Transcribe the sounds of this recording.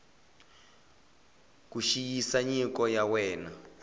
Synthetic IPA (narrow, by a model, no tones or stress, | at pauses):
kuʃijisaɲikɔjawɛːna